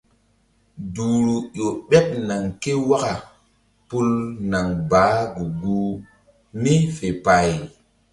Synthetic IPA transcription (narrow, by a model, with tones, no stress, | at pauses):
du˨ɾu˨jo˨ɓe˦p̚na˨ŋke˦wa˦ka˨ | pu˦lna˨ŋbaː˨˦ɡu˨ɡu˦ | mi˦fe˨pa˨j